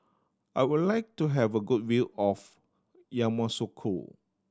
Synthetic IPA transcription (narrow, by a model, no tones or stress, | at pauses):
ʔajwudlaɪk̚tuɦɛvəɡud̚wilɔf | jãmãsokʰo̰